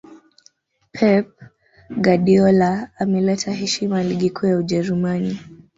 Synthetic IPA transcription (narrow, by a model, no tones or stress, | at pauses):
pʰɛp̚ | ɡaɗiɔlaːmɛlɛtʰaɦɛʃimaliɠikʰuːjauʄɛɾumani